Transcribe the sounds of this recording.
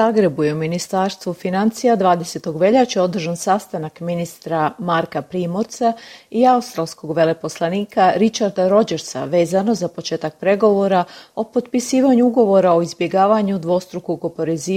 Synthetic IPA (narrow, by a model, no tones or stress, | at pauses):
aːɡɾe̞bujeuminist̪aɾst̪ʋufinant̪sijad̪ʋaːd̪e̞set̪o̞ɡʋe̞ʎat͡ɕeo̞d̪r̩ʒansast̪anakminist̪ɾamaɾkapɾiːmo̞ɾt̪saiaust̪ɾalˠsko̞ɡʋe̞le̞po̞slˠaniːkaɾit͡ʃaɾd̪aɾo̞d͡ʒeɾsa̰ʋe̞ːzano̞zapo̞t͡ʃe̞ːt̪ak̚pɾe̞ɡo̞ʋo̞ɾao̞po̞t̪pisiːʋaɲuuɡo̞ʋo̞ɾao̞izbje̞ɡaːʋaɲud̪ʋo̞st̪ɾukoɡopo̞ɾeziː